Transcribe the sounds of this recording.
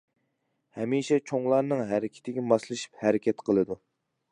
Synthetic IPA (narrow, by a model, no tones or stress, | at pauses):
hɛmiʃɛt͡ʃʰoŋlˠɑɾnɨŋɦæɾɪkʲʰɪ̥t̪ʰɪɡʲɛmɑslˠɨʃi̥phæɾɪkʲɛt̪qʰəlˠɨd̪u